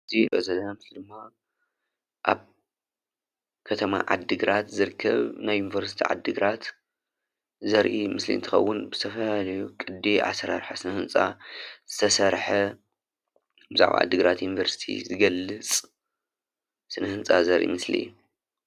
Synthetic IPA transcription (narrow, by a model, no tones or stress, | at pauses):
ɨzibɐ̰zɐd̪ɐnamslid̪ɨmːa | ʔaβ | kʰɐt̪ʰɐma̰ʕa̰d̪ːɨɡɾat̪zɨɾkʰːɐ̰βnajːunivɐɾsi̥t̪ʰiʕa̰d̪ːɨɡɾat̪ | zɐɾʔimɨslḭnt̪ʰɨxɐ̰wːʊnbɨzɨ̥t̪ʰɐfɐlalɐjukʼɨd̪iʕa̰sɐɾaɾħasɨnɐhɨnt͡sʼa̰z̥ɨt̪ʰɐsɐɾħɐ | bɨza̰ʕwa̰ʕa̰d̪ːɨɡɾat̪junivɐɾsi̥t̪ʰḭzɨɡɐlːɨt͡sʼ | sɨnɐhɨnt͡sʼazɐɾʔḭmɨslḭu